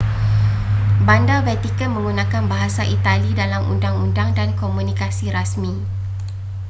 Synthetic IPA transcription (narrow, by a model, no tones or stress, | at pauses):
bandavɛt̪ikənmə̃ŋɡunãkanbaɦasaʔit̪alidalamṵndaŋundaŋdankomũnikasiɾasmĩ